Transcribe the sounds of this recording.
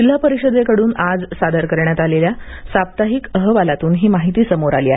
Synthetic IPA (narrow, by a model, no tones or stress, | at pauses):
d͡ʑil̤ːapəɾiɕəd̪ekəɽuːnad͡zsad̪əɾkəɾɳjat̪aleljasap̚t̪aɦikəɦəʋalat̪uːnɦiːmaɦit̪iːsəmoɾa̰liːaɦe